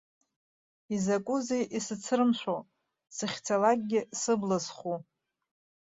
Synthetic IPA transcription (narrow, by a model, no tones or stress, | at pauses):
izakʷʼuzejʔisɨt͡sʰɨrɨmʃʷo | sɨχʲt͡sʰalak̚ʼɡʲɪsɨblazχu